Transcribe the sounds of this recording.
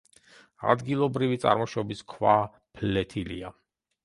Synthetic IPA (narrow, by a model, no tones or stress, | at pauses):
a̰d̪ɡilˠɔbɾivit̪sʼa̰ɾmɔʃɔbiskʰwa | pʰlɛt̪ʰilḭa